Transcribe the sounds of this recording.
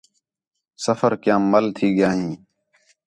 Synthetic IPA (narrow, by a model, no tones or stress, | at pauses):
səfəɾkjãːməlt̪ʰiːɡɪjaːɦĩː